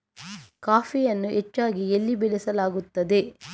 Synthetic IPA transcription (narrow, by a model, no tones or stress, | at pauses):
kaːfʰijɐnːuʔet͡ʃːaːɡielːibɛlɛsɐlaːɡut̪ːɐd̪e̞